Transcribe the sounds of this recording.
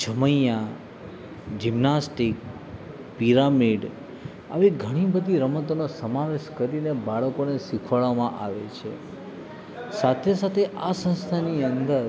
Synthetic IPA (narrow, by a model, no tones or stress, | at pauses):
d͡ʒʰəməjja | d͡ʒimnasʈik | piɾamiɖ | a̰ʋiɡʱəɽ̃ibəd̪ʱiɾəmət̪onosəmaʋeʃkəɾinebaɭəkoneʃikʰʋaɭʋamãʔaʋet͡ʃʰḛ | sat̪ʰesat̪ʰeʔasə̃nst̪ʰaniənd̪əɾ